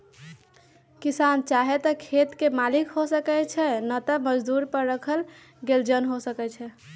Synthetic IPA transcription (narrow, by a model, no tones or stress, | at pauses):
kisant͡ʃaɦɛt̪əkʰet̪kemalikɦosəkɛt͡ʃʰɛnət̪əməd͡ʒd̪uɾpəɾːəkʰəl | ɡeld͡ʒənɦosəkɛt͡ʃʰɛ